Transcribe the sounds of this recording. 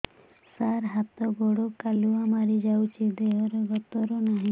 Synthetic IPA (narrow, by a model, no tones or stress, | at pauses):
saɾɦat̪ɔɡɔɽokaluamaɾid͡ʒawt͡ʃʰid̪eɦɔɾeɡɔt̪ɔɾɔnaɦĩ